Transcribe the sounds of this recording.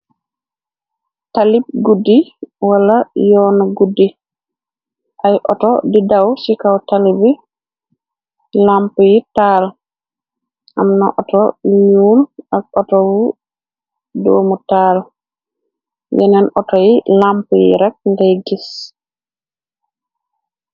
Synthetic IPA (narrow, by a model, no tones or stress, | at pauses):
talib̚ɡudːiwalajɔːnɔɡudːi | ʔajʔɔtɔdidawsikawtalibi | lampujitaːl | ʔa̰mnaʔɔtɔiɲuːlʔak̚ɔtɔwu | doːmutaːl | jɛnɛnɔtɔjilampujḭɾak̚ndɛjɡis